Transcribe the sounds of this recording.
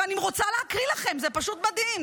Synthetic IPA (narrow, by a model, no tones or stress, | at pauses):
aniʁo̞t͡saleakʁilaχe̞mzepaʃut̪mad̪him